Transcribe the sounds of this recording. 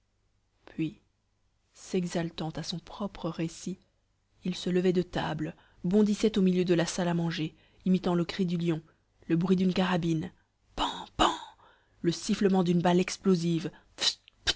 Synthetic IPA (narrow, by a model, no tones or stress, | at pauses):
pɥi | sɛɡzalt̪ɑ̃t̪asɔ̃pχɔpχəʁesi | ilsələvɛd̪ət̪ablə | bɔ̃d̪isɛt̪omiljød̪əlasalamɑ̃ʒe | imit̪ɑ̃ləkχid̪yljɔ̃ | ləbʁɥid̪ynkaʁabin | pɑ̃pɑ̃ | ləsifləmɑ̃d̪ynbalɛksploziv | f